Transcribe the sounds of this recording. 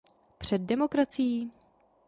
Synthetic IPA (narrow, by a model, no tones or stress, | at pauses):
pr̝̥ɛd̚ːɛmo̞kɾat͡sijiː